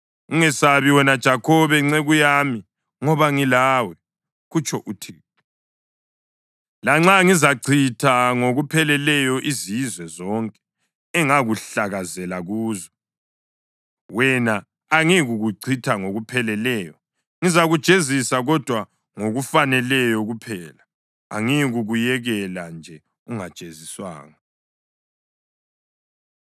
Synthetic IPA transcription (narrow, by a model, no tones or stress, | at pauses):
uŋɛsaβiwɛnad̥ʒ̥ʱakʰɔβɛŋ͡ǀɛɣujaːmi | ŋɔβaŋilaːwɛ | ɣut͡ʃʰʼɔʔutʰiː | laŋ͡ǁaŋizaǀʰitʰaŋoɣupʰɛlɛlɛjɔʔizizwɛzɔŋkʼɛ | ɛŋaɣuɬaɣazɛlaɣuːzɔ | wɛnaː | ŋiɣuɣuǀʰitʰaŋoɣupʰɛlɛlɛːjɔ | ŋizaɣud̥ʒ̥ʼʱezisaɣɔd̥ʱwa | ŋoɣufanɛlɛjɔɣupʰɛːla | a̰ŋiɣuɣujɛɣɛland͡ʒʱɛ | uŋad̥ʒ̥ʱʼeziswa̰ːŋa